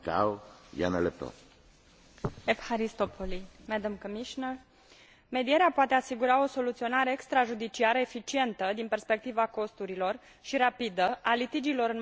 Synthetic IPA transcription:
ka̰wja̰nelep̚t̪o̰ | efxaɾist̪opʰolimɛd̪əmkomiʃnər | me̞d̪ije̞ɾeapoat̪e̞asiɡuɾao̞so̞lut̪sio̞naɾe̞ːkst̪ɾaʒud̪it͡ʃiaɾəefit͡ʃie̞nt̪əd̪inpe̞rspe̞k̚t̪ivako̞st̪uɾilo̞r | ʃiɾapid̪əʔalit̪id͡ʒilo̞ɾɨn

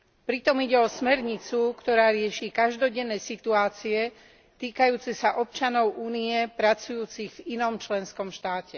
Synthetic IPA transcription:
pɾit̪ɔmiɟɛɔsmɛɾɲit͡sukt̪ɔɾaːɾɪɛʃiːkaʒd̪ɔɟɛnːɛːsit̪uaːt͡siɛ | t̪iːkajuːt͡sisaʔɔp̚t͡ʃanɔʊʔuːniɛpɾat͡sujuːt͡siɣvinɔmt͡ʃlɛnskɔmʃt̪aːcɛ

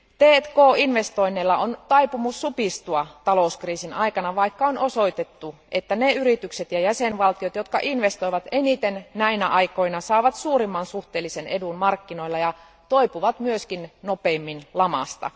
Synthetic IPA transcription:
t̪eːt̪koːinʋest̪oinːeilːɑont̪ɑipumusːupist̪uɑt̪ɑlouskriːsinɑikɑnɑʋɑikːɑonʔosoit̪et̪ːuʔet̪ːæneyrit̪ykset̪jɑjæsenʋɑlt̪iot̪jot̪kɑ̰ʔinʋest̪oiʋɑt̪enit̪ennæinæʔɑikoinɑsɑːʋɑt̪suːrimːɑnsuht̪eːlːisenedunmɑrkːinoilːɑjɑ | t̪oipuʋɑt̪myøskinnopeːmːinlɑmɑ̰st̪ɑ̰

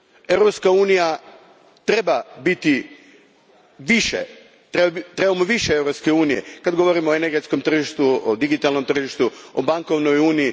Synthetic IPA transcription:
e̞ʋɾo̞pskauːnija | t̪ɾe̞babit̪i | ʋiʃḛ | t̪ɾebat̪ɾe̞bamoʋiʃeeʋɾo̞pske̞uːnijḛkad̪ɡo̞ʋo̞ɾimoːeneɾɡe̞t̪skomt̪r̩ʒiʃt̪uod̪iɡit̪alˠno̞mt̪r̩ʒiʃt̪uobaŋko̞ʋnojuːniji

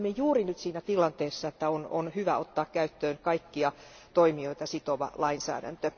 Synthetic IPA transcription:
mejjuːrinyt̪siːnæt̪ilɑnt̪eːsːɑet̪ːæono̰nhyʋæot̪ːɑːkkæyt̪ːøːnkɑikːiɑ | t̪oimioit̪ɑsit̪oʋɑ̰lɑinsæ̰ːdæ̰nt̪ø

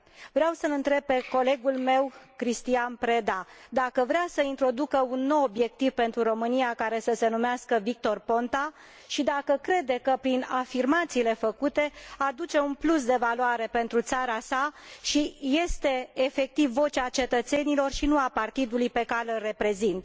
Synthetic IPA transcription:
vɾeawsəlɨnt̪ɾe̞b̚pe̞ko̞le̞ɡulme̞wkɾist̪ianpɾe̞d̪ad̪akəvɾeasəint̪ɾo̞d̪ukəunːo̞wːbje̞k̚t̪iv̥pe̞nt̪ɾuɾo̞mɨnijakaɾe̞səse̞numeaskəvik̚t̪o̞rpo̞nt̪a | ʃid̪akəkɾe̞d̪ekəpɾinafirmat̪siːle̞fəkut̪e̞ad̪ut͡ʃe̞unplus̬d̪e̞valoaɾe̞pe̞nt̪ɾut̪saɾasaʃije̞st̪e̞ːfe̞k̚t̪ivːo̞t͡ʃat͡ʃe̞t̪ət̪se̞nilo̞rʃinuapart̪id̪ulujpe̞kalelre̞pɾe̞zint̪

